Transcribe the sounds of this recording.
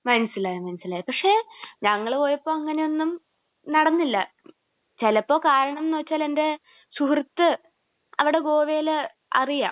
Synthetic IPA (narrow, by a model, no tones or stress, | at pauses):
mɐnɐsːilaːjɐmɐnɐsilaːjɐpɐkʂe̞ːɲɐŋːɐɭpo̞ːjɐpːo̞ːɐŋːɐne̞o̞nːum | nɐɽɐnːilːɐ̰ | t͡ɕelɐpːo̞ːkaːɾɐɳɐmnːoːt͡ɕːaːle̞nde̞ | suhrit̪ːɨ | ɐʋiɽe̞ɡo̞ːʋeːl | ɐ̰rija̰ːm